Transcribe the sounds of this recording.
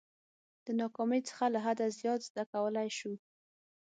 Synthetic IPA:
d̪̥ənɑkɑməjt͡sə̥xalaɦad̪azjɑt̪zd̪akawəlajʃu

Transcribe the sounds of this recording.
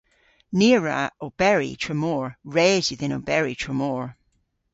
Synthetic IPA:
niɹə̰ob̥ɛɹḭtʰɹəmɔːɹɹɛːziðɪ̃no̰bɛɹitʰɹ̥əmɔːɹ

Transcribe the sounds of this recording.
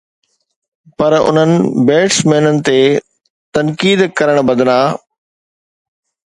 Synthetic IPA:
pɐɾʊ̰n̤ənɪ̆beːʈsmeɦɪnənɪ̆t̪e | t̪ɐnkiːd̪kɐɾəɽ̃bɐd̪laː

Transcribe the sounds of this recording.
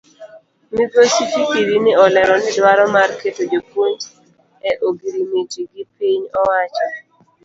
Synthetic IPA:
miɡosifikiɾinɪɔlɛɾɔnɪdwaɾɔmarketod͡ʒopwoɲd͡ʒ | ɛʔoɡiɾimitiɡɪpiɲɔwat͡ʃɔ

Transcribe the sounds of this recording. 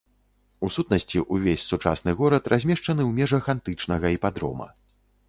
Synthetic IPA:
usut̪nɐsʲt͡sʲiʔuvʲesʲsut͡ʂa̰snɨɣɔɾɐt̪rʔazʲmʲɛʂt͡ʂɐnɨwmʲɛʐɐxant̪ɨt͡ʂnɐɣɐipad̪ɾɔ̰mɐ̰

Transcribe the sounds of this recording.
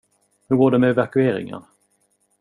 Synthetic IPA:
hɵɾɡoːɖɛmɛvakɵeːɾɪ̰ŋə̰n

